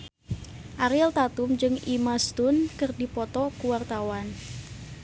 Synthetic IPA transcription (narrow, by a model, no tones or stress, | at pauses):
ʔaɾilt̪at̪umd͡ʒɨŋimast̪unkɨrdipɔt̪ɔkuwart̪awan